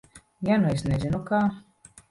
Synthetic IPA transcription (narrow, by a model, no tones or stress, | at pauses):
januesnezinukaː